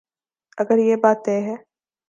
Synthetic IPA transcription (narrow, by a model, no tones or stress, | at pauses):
ɐɡəɾjeːbaːt̪eːɦɛː